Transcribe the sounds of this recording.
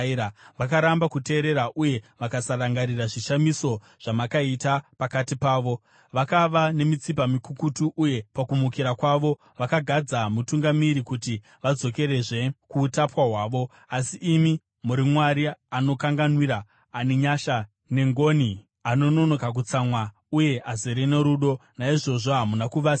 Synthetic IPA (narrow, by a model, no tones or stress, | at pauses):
aʋakaɾambakute̞ːɾe̞ɾaʔuje̞ʋakasaraŋɡaɾiraʐiʃamiso̞ | ʐ̥amakaitapakatipaːʋo̞ | ʋakaʋane̞mit͡sipamikukutuʔuje̞pakumukiɾakwaʋo̞ | ʋakaɡʱad͡zamutuŋɡamiɾikuti | ʋad͡zo̞ke̞ɾe̞ʐe̞kuːtapwaɦwaːʋo̞ | asiʔːmi | muɾimwaɾiano̞kaŋɡanwiɾaː | niɲaʃa | ne̞ŋɡo̞ni | ano̞no̞no̞kak̬ut͡samwa | uje̞ʔazeɾene̞ɾuɗo̞naiʐo̞ʐoɦamunakuʋas